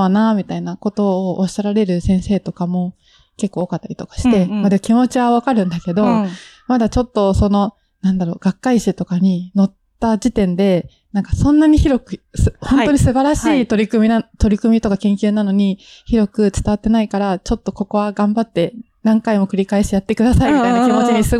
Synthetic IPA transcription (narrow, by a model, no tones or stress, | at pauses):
anamʲit̪ainako̞t̪o̞ːɕtaɾaɾe̞ɾɯ̟sẽ̞ɰ̃se̞ːt̪o̞kamo̞ | ke̞kːoːkat̪ːaɾʲit̪o̞kḁɕi̥t̪e̞mad̪emkʲimo̞t͡ɕiβaβakaɾɯ̟̃nd̪ake̞d̪o̞ | mad̪at͡ɕo̞t̪ːo̞so̞no̞ | nãnd̪aɾo̞ːɡ̥akːaiɕit̪o̞kaɲ̟ino̞t̪ːad͡ʑit̪ẽ̞nd̪e̞ | nãŋkasõ̞nːaɲ̟içiɾo̞kɯ̟sɨhõ̞no̞ɲ̟isɨbaɾaɕiːt̪o̞ɾʲikɯ̟mʲiat̪o̞ɾʲikɯ̟mʲit̪o̞kakẽŋkʲɨːnano̞ɲ̟içiɾo̞kɯ̟t͡sɨ̥t̪aβat̪ːe̞naikaɾat͡ɕo̞t̪ːo̞ko̞ko̞βaɡãmbat̪ːe̞ | nãŋkaimo̞kɯ̟ɾʲikaeɕt̪ejat̪ːe̞kɯ̟d̪asaimʲit̪ainakimo̞t͡ɕiɲ̟isɨ